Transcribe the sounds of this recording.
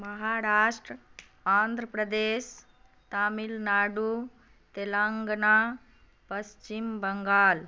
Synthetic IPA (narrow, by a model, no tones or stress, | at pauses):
mɐɦaːɾaːʂʈɾə | aːnd̪ʱɾəpɾɐd̪eːʃ | t̪aːmilnaːɖu | t̪elaːŋɡnaː | pɐst͡ʃimbɐŋɡaːl